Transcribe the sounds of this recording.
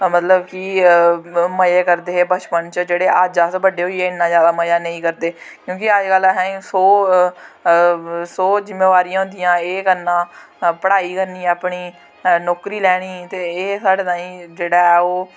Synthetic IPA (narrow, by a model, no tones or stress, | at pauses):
mət̪ləbkɪ | məjeːkəɾd̪eːbət͡ʃpənt͡ʃəd͡ʒeːɽeːʔaːd͡ʒaːsbəɖeːɦoieːɪnːãːzjaːd̪aːməjaːnəĩːkəɾd̪eːkjõːkɪad͡ʒɡəlɦɛ̃ːsoː | soːzɪmːeːʋaːɾiːãːɦʊ̃nd̪ɪjãːeːkənːãː | pəɽaːiːkəɾniːaːpɳiː | nɔːkɾiːlɛːɽ̃iːt̪eːeːsaːɽeːnãːĩːd͡ʒeːɽaːɛːoː